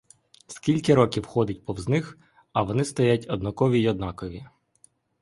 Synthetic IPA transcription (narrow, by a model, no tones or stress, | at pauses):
skʲilʲkɪɾɔkʲiwxɔd̪ɪt̚ʲpɔwznɪx | ɐʋɔnɪst̪ɔjatʲɔd̪nɔkɔʋʲijɔd̪nɑkɔʋʲi